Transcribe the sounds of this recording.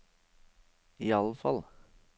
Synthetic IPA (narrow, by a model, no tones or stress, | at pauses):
iːɑləfɑ̰l